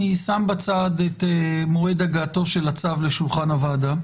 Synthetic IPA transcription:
isambat͡sadetemoʁed̪aɡaːto̞ʃelat͡savleʃulχanavada

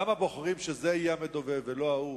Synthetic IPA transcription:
amabo̞χaʁimʃezejamed̪oveveloau

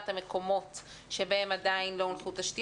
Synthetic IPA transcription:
t̪hameko̞mo̞t | ʃe̞bahe̞madainlo̞lχuthaʃti

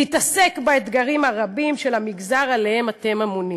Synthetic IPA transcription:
itase̞kbaet̪ɡaʁimhaʁabimʃelhamiɡzaʁale̞hemate̞mamuni

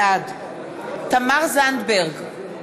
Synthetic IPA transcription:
ad̪ | t̪amaʁzand̪beʁɡ

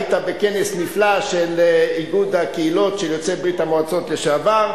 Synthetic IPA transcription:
t̪abekenesniflaʃeliɡud̪hakeilotʃejot͡sebʁit̪hamoat͡sot̪leʃavaʁ

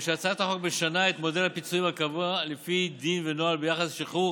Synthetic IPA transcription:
ʃeat͡saet̪haχo̞k̚beʃanae̞t̪mo̞delhapit͡suimhakavualefid̪invenoalbejaχasʃiχu

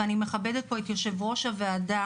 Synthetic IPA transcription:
anime̞χabed̪et̪̚po̞et̪jo̞ʃe̞vʁo̞ʃaveada

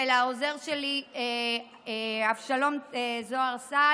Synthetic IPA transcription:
elaoze̞ʁʃelie | afʃalo̞mzoaʁsa

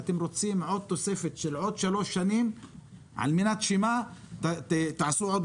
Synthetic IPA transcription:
t̪ɪmɾot̪siːmʕod̪̚t̪ːosefɪt̪ʃɪlʕod̪ʃaloːʃːaniːm | ʕa̰lmɪnat̪ʃimaːt̪t̪t̪aʕsuːʕod̪

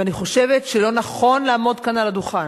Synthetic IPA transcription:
aniχo̞ʃe̞vetʃelo̞naχo̞nlaːmo̞d̪kanalad̪uχan

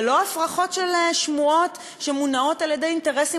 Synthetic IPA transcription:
lo̞afʁaχo̞tʃelʃmuo̞t | ʃemunao̞taljedejinte̞ʁesi

